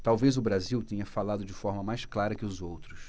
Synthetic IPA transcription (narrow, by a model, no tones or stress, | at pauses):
t̪awvezʊbɾaziwt̪ẽɲɐfalad̪ʊd͡ʒɪfɔɾmɐmajsklaɾɐkɪʊzowt̪ɾʊs